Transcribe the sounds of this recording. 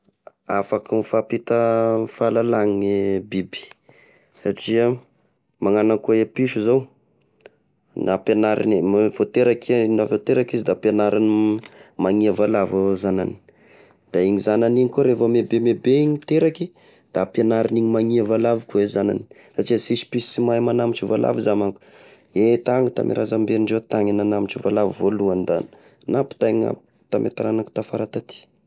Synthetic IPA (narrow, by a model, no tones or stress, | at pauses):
afakimifapit̪əfalalaŋibibi̥ | saʈ͡ʂia | maŋanakoepiʃuzow | napenaɾḭnivot̪eɾakinafat̪eɾakizid̪apenaɾinimaŋiavalavozanani̥ | d̪̥aiɲizananiɲikuɾefamebemebeiɲit̪eɾaki | d̪̥apjanaɾiniɲimaŋiavalavukuezana̰ni̥ | sat͡ʃiasisi̥pisimajmanamit͡ʃivala̰vizamaŋku̥ | et̪aŋit̪a̰mʔḛɾazambeɳɖ͡ʐet̪aŋinanamiʈ͡ʂivalavivoluand̪an | napu̥t̪aŋa̰ | t̪amʔḛt̪aɾanaku̥t̪afaɾat̪at̪i̥